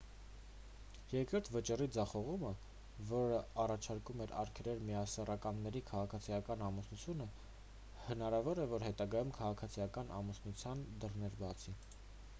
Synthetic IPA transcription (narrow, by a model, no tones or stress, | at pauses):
jɛɾkəɾt̪ʰvət͡ʃirid͡zɑχɔʁumə | vɔɾəɑrɑt͡ʃʰɑɾkumɛɾɑ̰ɾkʰɛɾɛɾmiɑsɛrɑkɑnːɛɾikʰɑʁɑkʰɑt͡sʰijɑkɑnɑmusnut͡sʰjunə | hənɑɾɑvɔɾɛvɔɾɦɛt̪ɑɡɑjumkʰɑʁɑkʰɑt͡sʰijɑkɑnʔɑ̰musnut͡sʰjɑnd̪ərnɛɾbɑt͡sʰi